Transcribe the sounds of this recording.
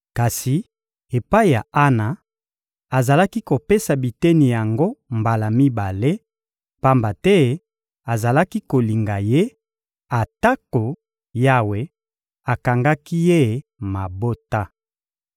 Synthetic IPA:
ka˨si˨ | e˨pa˦i˨ja˨a˦na˨ | a˨za˨la˦ki˦ko˨pe˦sa˨bi˨tɛ˦ni˨ja˨ŋɡo˦mba˨la˨mi˦ba˨le˦ | pa˦mba˨tɛ˦ | a˨za˨la˦ki˦ko˨li˨ŋɡa˨je˦ | a˨ta˦ko˨ | ja˦we˨ | a˨ka˨ŋɡa˦ki˦je˦ma˨bo˦ta˦

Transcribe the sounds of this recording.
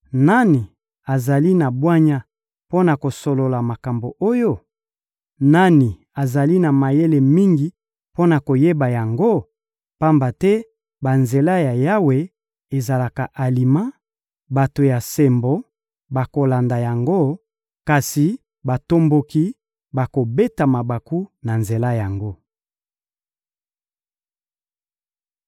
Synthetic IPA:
na˦ni˨ | a˨za˨li˦na˨bwa˦ɲa˦ | po˦na˨ko˨so˨lo˨la˨ma˨ka˨mbo˨ʔo˦jo˦ | na˦ni˨ | a˨za˨li˦na˨ma˨je˦le˨mi˦ŋɡi˨ | po˦na˨ko˨je˦ba˨ja˨ŋɡo˦ | pa˦mba˨tɛ˦ | ba˨nze˨la˦ja˨ja˦we˨ | e˨za˨la˨ka˨ʔa˨li˨mã˦ | ba˨to˨ja˨sɛ˨mbo˨ | ba˨ko˨la˨nda˨ja˨ŋɡo˦ | ka˨si˨ | ba˨to˦mbo˨ki˦ | ba˨ko˨be˦ta˨ma˨ba˨ku˦na˨nze˨la˦ja˨ŋɡo˦

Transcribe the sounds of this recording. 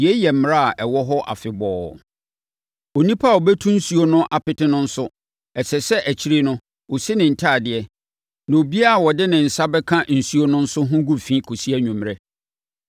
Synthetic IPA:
i˨ɛ˦jɛ˨m̩˦m˨ɾa˦a˨ʔɛ˨wɔ˦ɦɔ˦ʔa̰˨fɪ˨bɔː˨˦˨ | o˨nĩ˦pʰa˦˨o˨bɛ˦tʰũ˦n̩˦su˦o˦nʊ̃˦ʔa˨pɪ˦tɪ˦nʊ̃˦n̩˦sʊ˦ | ɛ˨sɛ˨sɛ˦ʔæ˨t͡ɕʰi˦ɾi˦nʊ̃˦ | o˨si˦nɪ̃˨n̩˨tʰaː˦˨dɪ˨ɛ˦ | nã˨o˨bi˦a˦a˨wɔ˨dɪ˦nɪ̃˨n̩˨sa˦bɛ˦kʰã˦n̩˨su˦o˦nʊ̃˦n̩˦sʊ˦ɦʊ̃˦ɡu˦fĩː˦kʰo˨si˦ɛ˦ɲᶣũ˨m˨ɾɛ˦

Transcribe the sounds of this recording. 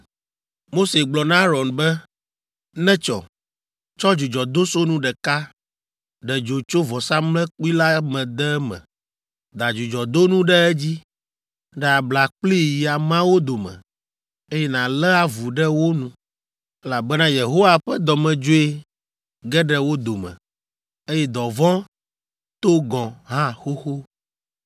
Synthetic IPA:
mo˦se˨ɡ͡blɔ˨nã˦ɾɔ˨nbɛ˦ | nɛ̃˦t͡ʃɔ̰˨ | t͡ʃɔ˦d͡ʒu˨d͡ʒɔ˨d̪o˦so˦nũ˦ɖɛ˨ka˦ | ɖɛ˨d͡ʒo˨t͡ʃo˦vɔ˨sa˦mlɛ̃˦k͡pi˦la˦mɛ̃˨d̪ɛ˦mɛ̰̃˨ | d̪a˨d͡ʒu˨d͡ʒɔ˨d̪o˦nũ˦ɖɛ˦ɛ˦d͡ʑi˦ | ɖɛ˨a˨bla˨k͡pli˦ji˨a˨mã˦wo˦d̪o˨mɛ̰̃˨ | e˦jɛ˦nã˨lɛ˦a˦vu˨ɖɛ˦wo˦nũ˦ | ɛ˦la˨bɛ˦nã˦je˨ɦo˦wa˨ɸɛ˦d̪ɔ˨mɛ̃˨d͡ʒo˦e˦ | ɡɛ˦ɖɛ˦wo˦d̪o˨mɛ̰̃˨ | e˦jɛ˦d̪ɔ˨vɔ̃˦ | t̪o˦ɡɔ̃˨ɦã˦xo˦xo˦

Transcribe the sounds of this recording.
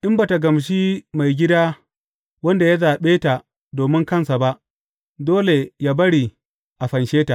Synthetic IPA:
ʔɪ˦mbaː˨ta˨ɡɐ˨mʃ̬iː˦ma˨jɡʲɪ˦daː˦ | wɐ˦nda˨ja˦zaː˨ɓeː˦ta˨ | doː˨mɪ˦ŋkɐ˦˨nsa˨ba˦ʔ | doː˦le˨jaː˦bɐ˦ɽi˨ | ʔa˨ɸɐ˨nʃeː˦ta˨ʔ

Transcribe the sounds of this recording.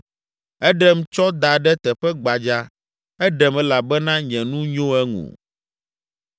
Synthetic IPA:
ɛ˦ɖɛ˦m̩˦t͡ʃɔ˦d̪a˨ɖɛ˦t̪ɛ˨ɸɛ˦ɡ͡ba˨d͡ʒa˦ | ɛ˦ɖɛ˨mɛ̃˦la˨bɛ˦nã˦ɲɛ̃˨nũ˦ɲõ˦ɛ˦ŋṵ̃˨

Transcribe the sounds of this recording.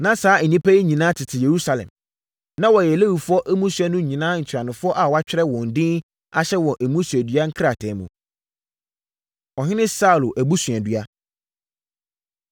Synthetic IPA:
nã˦saː˨˦ɛ˨nĩ˦pʰæ˦i˦ɲĩ˨nãː˦tʰɪ˨tʰɪ˨je˨ɾu˦sa˨lɛ̰̃˨m | nã˦wɔ˨jɛ˨le˦wu˨fʊ˦ɔ˦ʔæ˦mũ˦sɥɛ˦nʊ̃˦ɲĩ˨nãː˦ɲ̩˨t͡ɕʰᶣɾa˨nʊ̃˨fʊ˦ɔ˦ʔa˨wa˦t͡ɕᶣɪ˦ɾɛ˦wɔ̃˨n̩˨dɪ̃˦n | a˦ɕɛ˦wɔ̃˨nʔæ˨mũ˦sɥæ˨dɥa˦ŋ̩˦kʰɾa˨tʰɛ̃˨˦mũ˨ | ɔ˨ɦɪ̃˦nɪ̃˦sa˦u˨lʊ˨ʔæ˨bu˦sɥ̃ɛ̃˨dɥa˦

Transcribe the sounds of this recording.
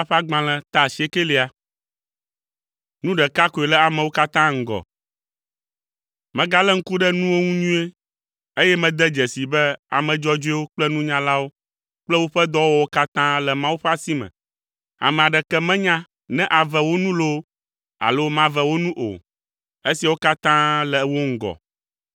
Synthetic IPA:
a˦ɸa˦ɡ͡bã˨lɛ̃˨t̪a˦˨si˨˦e˦ke˦li˨a˨ | nũ˦ɖɛ˨ka˦ko˨e˨lɛ˦a˨mɛ̃˨wo˦ka˦t̪ã˦ŋ̩˦ɡɔ̰˨ | mɛ̃˨ɡa˦lɛ˦ŋ̩˦ku˦ɖɛ˦nũ˦wo˦ŋũ˦ɲũ˦e˦ | e˦jɛ˦mɛ̃˨d̪ɛ˦d͡ʒɛ˨si˨bɛ˦a̰˨mɛ̃˨d͡ʒɔ˦d͡ʒo˦ɛ˦wo˦k͡plɛ˦nũ˦ɲã˦la˦wo˦ | k͡plɛ˦wo˦ɸɛ˦d̪ɔ˦wo˦wo˦ka˦t̪ã˦lɛ˨mã˦wu˦ɸɛ˦a˦si˦mɛ̰̃˨ | a̰˨mɛ̃˨a˨ɖɛ˨kɛ˦mɛ̃˦ɲã˦ | nɛ̃˦ʔa˨vɛ˨wo˦nũ˦lo˦ | a̰˨lo˦mã˦vɛ˨wo˦nũ˦ʔo̰˨ | e˦si˨wo˦ka˦t̪ã˦lɛ˨wo˦ŋ̩˦ɡɔ̰˨

